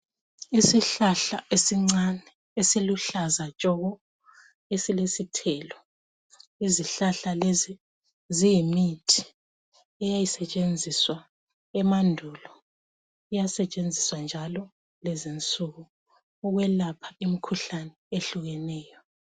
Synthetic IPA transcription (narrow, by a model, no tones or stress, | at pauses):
isiɬaɬa̰ʔesiŋ͡ǀanɛ | esiluɬazat͡ʃʼɔɣɔ | esilesitʰɛlɔ | iziɬaɬalezi | zijimitʰi̥ | ɛjajisɛt͡ʃʼend͡zʱiswa | ɛmandʱulɔ | ijasɛt͡ʃʼend͡zʱiswand͡ʒʱalɔ | lɛzint͡sʼuɣuː | ɣwɛlapʰḁimikʰuɬanɛeɬuɣɛnɛːjɔ